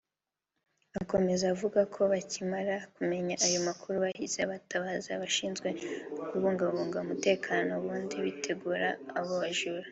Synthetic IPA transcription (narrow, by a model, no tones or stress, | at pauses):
ako̞me̞zaːvuɡakʰo̞βacimaɾakume̞ɲaʔajo̞makʰuɾuβahizeβatʰaβaːzaβaʃiːnzɡwe̞kuβuːŋɡaβuːŋɡaumute̞ːkʰano̞βuːndiβitʰe̞ɡuːɾaːβoβaʒuɾa